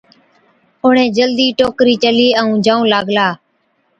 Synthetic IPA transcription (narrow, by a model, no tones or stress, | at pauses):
ʊɳẽːd͡ʒəld̪iːʈoːkɾiːt͡ʃəliːəũːd͡ʒaːũːlaːɡlaː